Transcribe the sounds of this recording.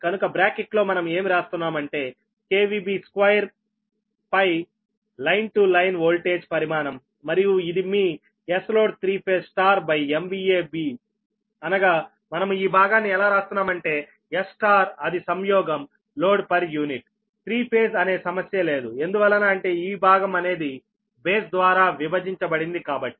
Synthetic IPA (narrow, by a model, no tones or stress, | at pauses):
kɐnukɐbɾaːkiʈlo̞ːmɐnɐme̞ːmiɾaːst̪unːaːmɐɳʈe̞ː | keːʋiːbiːskʋɐjɐɾ | pɐj | lɐjnʈulɐjnʋoːlʈeːd͡ʒpɐɾimaːnɐmː | ɐɾijuid̪imiː | eslo̞ːɖt̪ʰɾiːpʰeːsʈaːɾbɐjembiːeːbiː | ɐnɐɡaː | mɐnɐmiːbʱaːɡaːnːiɛlaːɾaːst̪unːaːmɐɳʈe̞ː | esʈaːɾɐd̪isɐmjɔːɡɐm | lo̞ːɖpɐɾjuːniʈ | t̪ɾiːpʰeːsɐne̞ːsɐmɐsjɐle̞ːd̪ue̞nd̪uʋɐlːɐnaːɐɳʈe̞ːiːbʱaːɡɐmɐne̞ːd̪i | beːsd̪ʋaːɾaːʋibɐd͡ʒiɲt͡ʃɐbɐɽind̪ikaːbɐʈːi